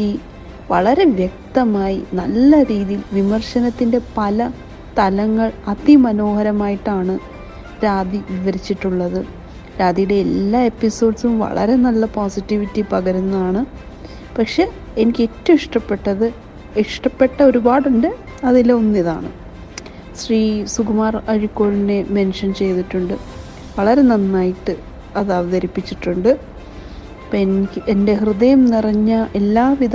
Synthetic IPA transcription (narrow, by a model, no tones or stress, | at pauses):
i | ʋɐ̰ɭɐɾe̞ʋjek̚t̪ɐmaːjinɐlːɐɾiːðijilʋimɐrʂɐnɐt̪ːinde̞pɐlɐ | t̪ɐlɐŋːɐɭɐt̪imɐno̞ːhɐɾɐmaːjiʈːaːɳɨ | ɾaːd̪iʋiʋɐɾit͡ɕːiʈːuɭːɐðɨ | ɾaːd̪ijuɽe̞ːlːaːe̞pːiso̞ːɖsumʋɐ̰ɭɐ̰ɾe̞nɐlːɐpoːsitːiʋitːipɐɣɐɾunːɐaːɳɨ | pɐkʂe̞ | enikʲːetːɐmiʂʈɐpːe̞ʈːɐðɨ | iʂʈɐpːe̞ʈːɐo̞ɾubaːɽuɳɖɨ | ɐðilːɐonːiða̰ːɳɨ | ɕriːsuɡumaːrɐɻikːo̞ːɭine̞me̞nʂɐnt͡ɕe̞jt̪iʈːuɳɖɨ | ʋɐɭɐɾe̞nɐnːaːjiʈːɨ | ɐðɐʋɐðɐɾipːit͡ɕːiʈːuɳɖɨ | peikʲːʔende̞hrɨðɐjɐmnirɐɲːɐʔe̞lːaːʋiðɐ